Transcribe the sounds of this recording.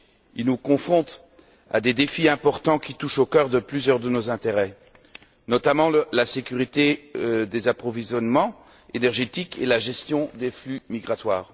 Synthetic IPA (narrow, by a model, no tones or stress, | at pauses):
ilnukɔ̃fχɔ̃t̪ | a̰d̪ed̪efiɛ̃pɔʁt̪ɑ̃kʲit̪uʃokʲœʁd̪əplyzjœʁd̪ənozɛ̃t̪eʁɛ | nɔt̪amɑ̃lasekʲyʁit̪ed̪ezapχɔvizjɔnmɑ̃ | enɛʁʒet̪ikelaʒɛst̪jɔ̃d̪eflymiɡʁat̪waːʁ